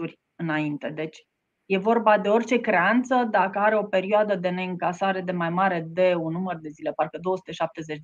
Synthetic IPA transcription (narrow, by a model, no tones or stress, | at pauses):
urʲ | ɨnaint̪e̞d̪e̞t͡ʃʲ | je̞vo̞rbad̪e̞o̞rʲt͡ʃe̞kɾe̞ant̪səd̪akəaɾe̞o̞pe̞ɾioad̪əd̪e̞ne̞ɨŋkasaɾe̞d̪e̞majmaɾe̞d̪e̞unːumərd̪e̞zile̞patɾkəd̪o̞əsu̥t̪e̞ʃap̚t̪e̞zet͡ʃ